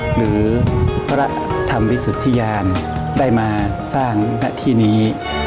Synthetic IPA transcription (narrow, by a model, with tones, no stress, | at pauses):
ɾɯː˩˦pʰɾa˦˥ʔt̪ʰa˧mwi˦˥su˨˩t̪ʰːiː˥jaː˧ndaː˥˩jmaː˧ | saː˥˩ŋna˦˧˥t̪ʰiː˥˩niː˦˥